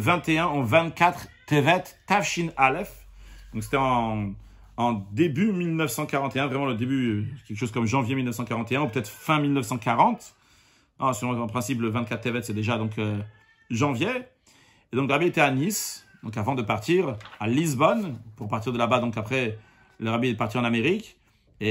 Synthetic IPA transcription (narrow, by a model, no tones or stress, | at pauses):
vɛ̃t̪eɛ̃ɑ̃vɛ̃t̪kat̪χt̪evɛt̪ː | afʃinalɛf | d̪ɔ̃ks̬e̥t̪ɛɑ̃ | d̪ebymilnœfsɑ̃kaʁɑ̃t̪eɛ̃vʁɛmɑ̃ləd̪ebykʲɛlkə̥ʃoz̥kɔmʒɑ̃vjemilnəfsɑ̃kaʁɑ̃t̪eɛ̃upøət̪ɛt̪χfɛ̃milnəfsɑ̃kaʁɑ̃t̪ | syʁm̃ɑ̃pχɛ̃sipləvɛ̃t̪kat̪χevɛt̪sɛd̪eʒad̪ɔ̃kø | ʒɑ̃vje | ed̪ɔ̃kləʁabiet̪ɛanisd̪ɔ̃kavɑ̃d̪əpaʁt̪iʁalizbɔnpuʁpaʁt̪iʁd̪əlabad̪ɔ̃kapχɛ | ləʁabied̪əpaʁt̪iɑ̃nameʁik | e